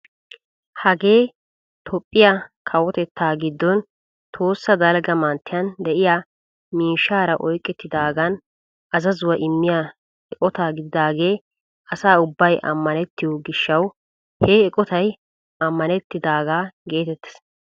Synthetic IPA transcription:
hɐɡe̞ː | t̪ʰɔpʼːɪjakʰɐwɔt̪ɛt̪ːaːɡɪd̪ːɔn | t̪ʰo̞ːsːɐd̪ɐlɡɐmɐnt̪ːɪjɐnd̪ɛʔɪja | miːʃːaːɾɐʔɔjkʼːɛt̪ːɪd̪aːɡɐn | ɐzɐzʊwɐʔɪmːɪja | ɛkʼɔt̪aːɡɪd̪ɪd̪aːɡe̞ː | ɐsaːʊbːɐjʔɐ̰mːɐnɛt̪ːɪjɔɡɪʃːɐw | hɛɛkʼɔt̪ɐj | ɐmːɐnɛt̪ːɪd̪aːɡaːɡe̞ːt̪ɛt̪ːɛ̥s

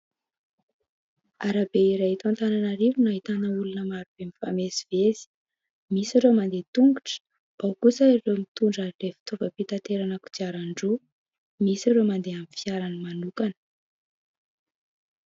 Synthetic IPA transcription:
aɾabeiɾait̪ant̪ananaɾivunait̪anəulunəmaɾubemifamezivez̥i̥ | misiɾomand̪et̪uŋɡuʈ͡ʂə̥ | b̥awkusəiremit̪uɳɖ͡ʐaɾirefi̥t̪ʰovəpit̪at̪eɾanəku̥t͡siaɾaɳɖ͡ʐu | misiremand̪eamifiaɾanimanukanə̥

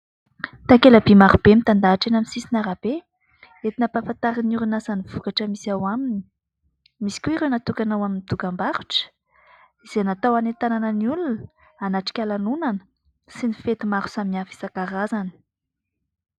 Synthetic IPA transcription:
t̪akeləbemaɾub̥emit̪and̪aːʈ͡ʂenaminsisinaɾab̥e | et̪inəpafant̪aɾinuɾinasaniv̥ukaʈ͡ʂəmisawamini̥ | misi̥kʲuiɾewnat̪ukanawaminid̪uɡambaɾuʈ͡ʂə̥ | iz̥enat̪awanet̪ananəniulun | anaʈ͡ʂi̥kʲalanunanə̥ | sinifet̪imaɾu̥samafi̥sakaɾazanə̥

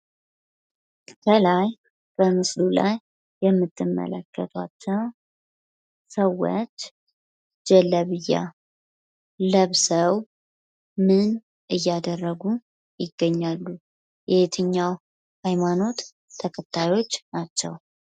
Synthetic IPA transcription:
kʰəlaj | b̥əmɨslula̰jː | ɛmːɨt̪ʰːɨmːə̰lə̰kʰːət̪ʰwat͡ʃːɛw | səwːot͡ʃː | d͡ʒɛlːəβɨjːa̰ | ləβsəw | mɨn | ʔɨjːad̪ərːəɡu | jɪɡːəɲːalːu | jʔɛhet̪ʰɨɲːaw | hajmano̞t̪ʰː | əkʰət̪ʰːajo̞t͡ʃːnat͡ʃːɛ̰w

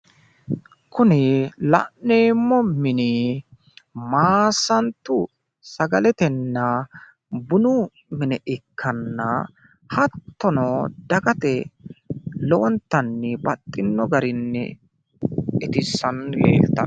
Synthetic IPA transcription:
kʰʊnɪlɐ̰ʔneːmːɔmɪnɪ | maːsːɐnt̪ːʊ | sɐɡɐlɛt̪ɛnːɐ | bʊnʊ | mɪnɛʔɪkʰːɐnːɐ | hɐt̪ːɔnɔd̪̥ɐɡɐt̪ɛ | lɔʔɔnt̪ːɐnːɛbɐt̪ʼːɪnːɔɡɐɾɪnːɛ̰ | ɪt̪ɪsːɐnɡḛːt̪ɐ

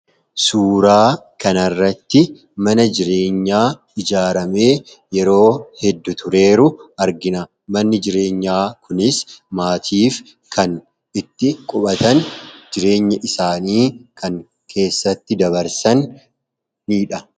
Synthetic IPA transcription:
suːɾaː | kɐnɐrːɐt̪ːɪ | mɐnɐd͡ʒɪɾe̞ːɲːaː | ɪd͡ʒaːɾɐme̞ː | jɛɾo̞ːhɛd̪ːʊt̪ʰʊɾe̞ːɾʊɐɾɡɪnɐ | mɐnːɪd͡ʒɪɾe̞ːɲːaːkʰʊnɪsmaːt̪ʰiːf | kʰɐn | ɪt̪ːɪkʼʊɓɐt̪ɐnd͡ʒɪɾe̞ːɲːɐʔɪsaːniːkɐŋ | kʰe̞ːsːɐt̪ːɪd̪ɐβɐɾsɐn | niːᶑɐ

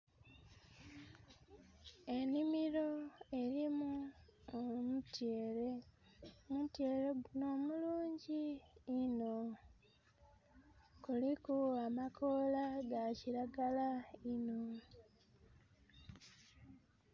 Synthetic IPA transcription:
e̞nimiɾo̞e̞ɾimu | mutje̞ːɾe̞ | mutje̞ːɾeɡuno̞muluːɲɟiːno̞ | kulikuamako̞ːlaɡaciɾaɡalaino

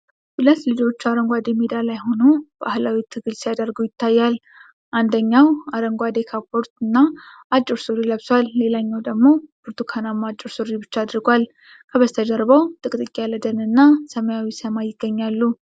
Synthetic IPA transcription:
hulət̪lɨd͡ʒo̞t͡ʃːaɾəŋɡʷad̪emed̪alajho̞noba̰hlawit̪ʰɨɡɨlsijad̪ərɡəwjɪt̪ʰːajːal | ʔand̪əɲːawaɾəŋɡʷad̪ekʰapo̞ɾt̪ɨnːaʔːt͡ʃʼːɨɾsuɾiləbswalːe̞laɲːawd̪əɡmo̞bʰɨɾt̪ʰukʰanamːat͡ʃʼːɨɾsuɾibɨt͡ʃːaad̪ɾɨɡʷal | kʰəβəst̪ʰəd͡ʒəɾbəwt̪ʼɨkʼt̪ʼɨkʼjaləd̪ənɨnːasəmajawisəmajɪɡ̥ːəɲːalːu

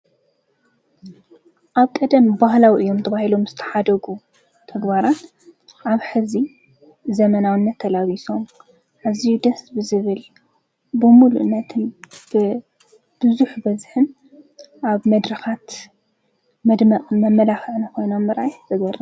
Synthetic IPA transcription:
ʔaβkʼɐd̪ɐmbahlawiʔɨjːo̞mt̪ʰɐβahilo̞mzɨt̪ʰɐ̥ħad̪ɐɡu | t̪ʰɐɡbaɾat̪ | ʔaβħɨzi | zɐmɐnawɨnːɐt̪ʰːɐlaβiso̞m | ʔazijud̪ɐsbɨzɨβɨl | bɨmuluʔɨnːɐt̪ʰɨnb̥ɨ | b̥ɨzuħbɐzħɨn | ʔaβmɐd̪ɾɐxat̪ | mɐd̪mɐχʼɨnmɐmːɐlaxɨʕnkʰo̞jno̞mːɨɾajzɐɡɐɾ

